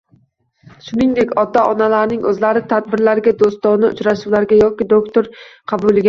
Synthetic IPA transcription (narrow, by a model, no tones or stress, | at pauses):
ʃʊnɪŋd̪ekʲɒd̪ːaʔɒnalaɾnɪŋɵzlaɾɪt̪ʰad̪̚bɪɾlaɾɡʲad̪ost̪ɒnɪʊ̰t͡ʃɾaʃulaɾɡʲajɒkʲɪd̪okt̪ʰoɾqʰɑbulˠɪɡʲa